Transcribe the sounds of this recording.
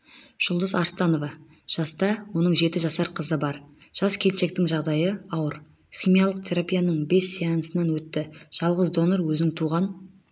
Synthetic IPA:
ʒ̥ʊlˠd̪əzɑɾst̪ɑno̞vɑ | ʒ̥ɑst̪ɑwo̞nəɴʒe̞t̪ɪʒɑsɑɾqʰəzəbɑɾʒ̥ɑskʲʰe̞lʃe̞k̚t̪ɪŋʒɑʁd̪ɑjəɑwəɾ | χʲijmijɑlˠəqt̪ʰe̞ɾapijanəɴbe̞sːijɑnəsənɑnwɵt̪ːɪʒ̥ɑlˠʁəzd̪o̞noɾwɵzɪŋt̪ʰuʁɑn

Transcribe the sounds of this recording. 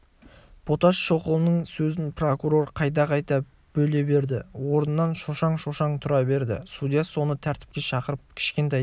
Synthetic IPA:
b̥ot̪ɑsʃo̞qəlˠənəɴsɵzɪnpro̞kuɾo̞ɾqʰɑjt̪ɑqʰɑjt̪ɑ | b̥ɵle̞be̞ɾd̪ɪwo̞ɾənəːɑnʃo̞ʃɑɴʃo̞ʃɑɴt̪ʰʊɾɑbe̞ɾd̪ɪ̰sud̪jaso̞nət̪ʰæɾt̪ɪp̚kʲe̞ʃɑqəɾəp̚kʲʰɪ̥ʃkʲe̞nt̪ej

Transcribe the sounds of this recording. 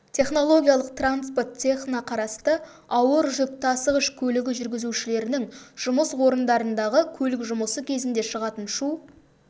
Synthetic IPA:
t̪ʰe̞χno̞lˠo̞ɡʲijɑlˠəq̚t̪ranspo̞rt̪tʰʲːe̞χnɑqʰɑɾɑst̪ə | ɑwəɾʒʏp̚t̪ɑsəʁəʃkʲʰɵlɪɡʲɪʒʏɾɡʲɪzuʃɪle̞ɾɪnɪŋʒ̥ʊməswo̞ɾənd̪ɑɾənd̪ɑʁəkʲʰɵlɪkʒʊməsəkʲʰe̞zɪnd̪e̞ʃəʁɑt̪ənʃu

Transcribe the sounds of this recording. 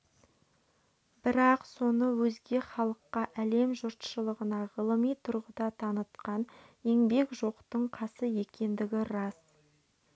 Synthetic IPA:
bɪɾɑqso̞nəwɵzɡʲe̞χɑlˠəqːɑʔæle̞mʒʊɾt̪ʃəlˠəʁənɑʁəlˠəmijt̪ʰʊɾʁəd̪ɑt̪ʰɑnət̪qɑne̞ŋbe̞kʒo̞qt̪əɴqʰɑsəje̞kʲe̞nd̪ɪɡʲɪɾɑs

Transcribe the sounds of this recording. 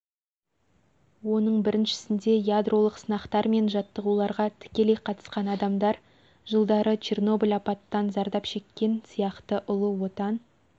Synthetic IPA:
wo̞nəɴbɪɾɪnʃɪ̥sɪnd̪e̞jad̪rʔo̞lˠəqsənɑqt̪ɑɾme̞nʒɑt̪ːəʁulˠɑɾʁɑt̪ʰɪ̥kʲe̞lejqʰɑt̪ə̥sqɑnɑd̪ɑmd̪ɑɾ | ʒəlˠd̪ɑɾət͡ʃʰerno̞bilʲɑpɑt̪ːɑnzɑɾd̪ɑpʃe̞kʲːe̞nsijɑqt̪əʔʊlˠəwo̞t̪ɑn

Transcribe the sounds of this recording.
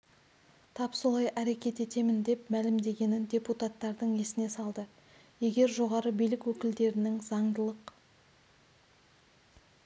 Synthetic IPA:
t̪ʰɑpsolˠɑjʔæɾe̞kʲe̞t̪e̞t̪e̞mɪnd̪e̞pmælɪmd̪e̞ɡʲe̞nɪnd̪ʲe̞put̪at̪ːɑɾd̪əɴe̞sɪne̞sɑlˠd̪ə | je̞ɡʲe̞ɾʒo̞ʁɑɾəbijlɪkwɵkʲɪld̪e̞ɾɪnɪŋzɑɴd̪əlˠəq

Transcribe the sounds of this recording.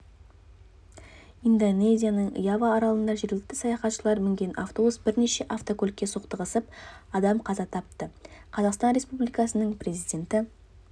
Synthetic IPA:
ind̪one̞zʲijanəɴə̰jɑvɑːɾɑlˠənd̪ɑʒe̞ɾɡʲɪlɪk̚t̪ɪ̥sɑjɑχɑt̪ʃəlˠɑɾmɪŋɡʲe̞naft̪obusbɪɾne̞ʃe̞ʔaft̪o̞kʰʲɵlkʲːesuqt̪əʁəsəpɑd̪ɑmqʰɑzɑt̪ʰɑp̚t̪əqʰɑzɑqst̪ɑnɾe̞spublijkɑsənəɴpre̞zijd̪ʲe̞nt̪ɪ

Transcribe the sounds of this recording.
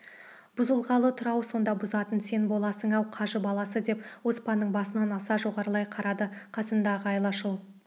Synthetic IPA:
b̥ʊzəlˠʁɑlˠət̪ʰʊɾɑwso̞nd̪ɑbʊzɑt̪ənse̞nbo̞lˠɑsəŋɑwqʰɑʒəbɑlˠɑsəd̪e̞pwo̞spɑnːəɴbɑsənɑnɑsɑʒo̞ʁɑɾəlˠɑjqʰɑɾɑd̪əqʰɑsənd̪ɑʁəɑjlˠɑʃəlˠ

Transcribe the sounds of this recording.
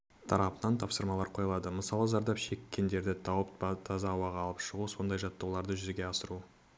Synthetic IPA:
t̪ʰɑɾɑpənɑnt̪ʰɑpsəɾmɑlˠɑɾqʰo̞jɑlˠɑd̪əməsɑlˠəzɑɾd̪ɑpʃe̞kʲːe̞nd̪e̞ɾd̪ɪt̪ʰɑwəp̪̚t̪ʰɑzɑːwɑʁɑlˠəpʃəʁuso̞nd̪ɑjʒɑt̪ːɑwlˠɑɾd̪əʒʏzɡʲe̞ɑsəɾu

